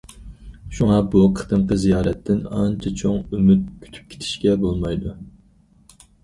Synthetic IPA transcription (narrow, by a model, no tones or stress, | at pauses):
ʃuŋɑbuqʰə̥t̪ɨmqəzijɑːɾɛt̪ʰːɪnɑnt͡ʃʰɛt͡ʃʰoŋymyt̪̚kʲʰy̥t̪ʰy̥p̚kʲʰe̥t̪ʰɪ̥ʃkʲɛbolˠmɑjd̪u